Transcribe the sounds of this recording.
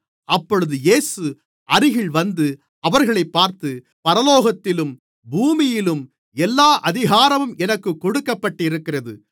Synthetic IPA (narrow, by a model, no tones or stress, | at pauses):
ʔɐpːɔɻɯðɯjeːsɯ | ʔɐɾɪɣɪɭʋɐnd̪ɯ | ɐʋɐɾɣɐɭɐɪpːaːɾt̪ɯ | pɐɾɐloːɣɐt̪ːɪlɯm | buːmɪjɪlɯm | ɛlːaːʔɐðɪɣaːɾɐʋɯmɛnɐkːɯkːɔɽɯkːɐpːɐʈːɪɾɯkːɪrɐðɯ̰